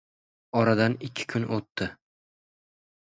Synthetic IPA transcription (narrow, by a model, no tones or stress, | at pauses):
ɒɾad̪anɪkʲʰːɪ̥kʰʊnʔot̪ːɪ